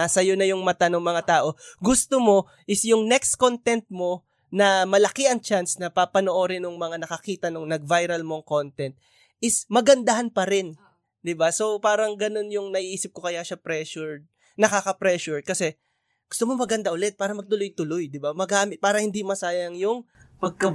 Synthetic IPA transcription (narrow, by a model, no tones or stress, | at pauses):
asɐjonɐjʊŋmɐt̪anoŋmɐŋat̪aːʔo̞ɡʊst̪omo̞ | ʔɪsjʊŋnɛkskont̪ɛnt̪̚mo̞ | nɐmɐlɐkɪʔɐŋt͡ʃansnɐpapɐnoʔo̞ɾɪnʊŋmɐŋanɐkɐkiːt̪ɐnoŋnɐɡ̚vajɾɐlmoŋko̞nt̪ɛnt̪̚ | ʔɪsmɐɡɐnd̪ɐhanpɐɾɪn | d̪ɪbaso̞paːɾɐŋɡɐno̞njʊŋnɐʔiːʔiːsɪp̚kokɐjaʃapɾɛʃʊɹ̚ | nɐkakɐpɾɛʃʊɹ̚kɐsɛ | ɡ̥ʊst̪omomɐɡɐnd̪aʔʊlɛt̪̚paːɾɐmɐɡ̚t̪ʊlojt̪ʊlojd̪ɪbamɐɡaːmɪt̪̚paːɾɐhɪnd̪imɐsaːjɐŋjʊŋpɐɡ̚kɐ